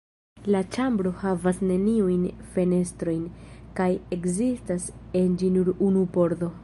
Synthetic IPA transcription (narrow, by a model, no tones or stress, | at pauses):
lat͡ʃambɾo̞havasne̞niujnfe̞ne̞stɾo̞jnkaje̞kzistase̞nd͡ʒinuɾunupo̞ɾdo̞